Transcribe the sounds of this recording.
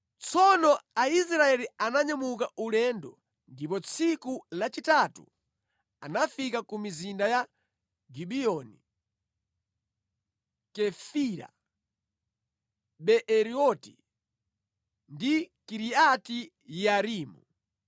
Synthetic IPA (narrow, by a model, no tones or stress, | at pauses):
t͡sʰɔnɔais̬ɾaɛlianaɲamukaulɛndɔ | ndipɔt͡sʰikulat͡ʃitatṵ | anafikakumizindaja | ɡiɓiɔni | kɛfiɾa̰ | ɓɛʔɛɾiɔti | ndikiɾiati | jaɾiːmṵ